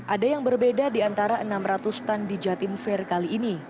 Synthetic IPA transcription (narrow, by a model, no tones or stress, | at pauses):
ʔadajaŋbərbedadiant̪aɾaʔənamrat̪ust̪andid͡ʒat̪imfɛrkaliːni